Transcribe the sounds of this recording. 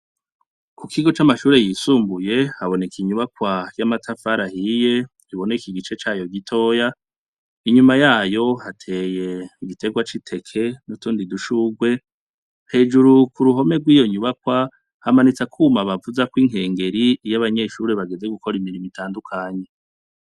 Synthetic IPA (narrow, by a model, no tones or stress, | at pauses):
kukʰiɡo̞t͡ʃamaʃuːɾejiːsuːmbuje̞haβo̞ne̞kiɲuβakwajamatʰafaɾahije̞ | iβo̞nekiɡit͡ʃe̞t͡ʃaːjo̞ɡitʰo̞ːja | iɲumajaːjo̞hatʰe̞ːje̞iɡitʰe̞ɡwat͡ʃitʰe̞kʰe̞nutuːndiduʃuɡwe̞ | he̞ːd͡ʒuɾukuɾuɦo̞me̞ɡwiːjo̞ɲuβakwa | hamanit͡sakʰuːmaβavuzakwiŋɦe̞ːŋɡe̞ɾijaβaɲe̞ʃuːɾeβaɡe̞ze̞ɡukʰo̞ɾimiɾimitʰaːndukʰaɲe̞